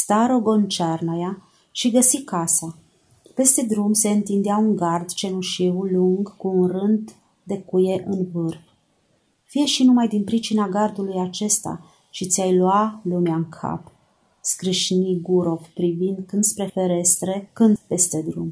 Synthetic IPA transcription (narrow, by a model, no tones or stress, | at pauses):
st̪aɾo̞ɡo̞nt͡ʃarnaja | ʃiɡəsikasa | pe̞st̪e̞d̪ɾumse̞ɨnt̪ind̪eɪauŋɡard̪t͡ʃe̞nuʃiwluŋɡkuːnrɨnd̪ | d̪e̞kuje̞ʔɨnvɨrf | fije̞ʃinumajd̪inpɾit͡ʃinaɡard̪ulujat͡ʃe̞st̪a̰ | ʃit̪sʲjajlualumeaɨŋkʰa̰p | skɾɨʃniɡuɾo̞fpɾivind̪kɨnd̪spɾe̞fe̞ɾe̞st̪ɾe̞kɨnd̪pe̞st̪e̞d̪ɾum